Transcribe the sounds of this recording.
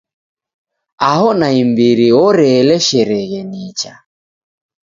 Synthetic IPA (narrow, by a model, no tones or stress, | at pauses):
ahɔnaimbiɾiɔɾɛlɛʃɛɾɛɣɛnit͡ʃa